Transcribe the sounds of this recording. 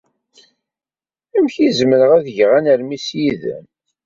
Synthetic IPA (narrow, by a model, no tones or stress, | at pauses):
æmçizməɾəʁæðəʝʁænəɾmisjið̰m